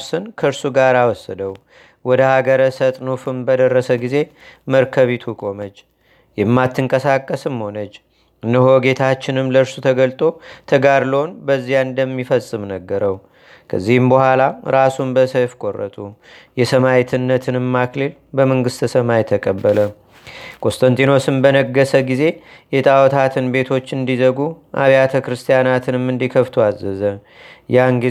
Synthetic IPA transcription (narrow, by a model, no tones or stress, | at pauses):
sɨnkʰəɨɾsuɡaɾawɔsːəd̪əw | wɔd̪əhaɡəɾəsət̪ʼnufɨmbəd̪ərːəsəɡize̞məɾkʰəβit̪ʰukʼo̞mət͡ʃː | jɛmːat̪ʰːɨŋkʼəsakʼːəsɨmːho̞nət͡ʃː | nːəɦo̞ɡe̞t̪ʰat͡ʃːɪnɨmləɨɾsut̪ʰəɡəlt̪ʼo̞t̪ʰəɡaɾləonbəzːijand̪əmːifəsʼːɨmnəɡːəɾəw | kʰə̰zːihɨmbəhʷalaɾasumbəsəjfkʼo̞rːə̰t̪ʼujɛsəmawit̪ʰɨnːət̪ʰɨnɨmːakle̞l | bəməŋɡɨst̪ɨsəmajɛt̪ʰəkʼəbːələ | kʼo̞st̪ʰʼənt̪ʼino̞sɨmbənəɡːəsəɡize̞jɛt̪ʼawɔt̪ʰat̪ʰɨnbe̞t̪ʰo̞t͡ʃːɨnd̪izəɡuʔa̰βijat̪ʰəkɾɨst̪ʰijanat̪ʰɨnɨmɨnd̪ikʰəft̪ʰuazːəzə | jaŋɡi